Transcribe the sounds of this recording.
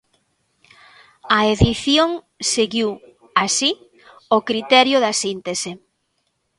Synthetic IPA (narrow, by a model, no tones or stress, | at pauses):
aeðiθjoŋ | seɣiw | asi | okɾit̪ɛɾjʊðɐsint̪ese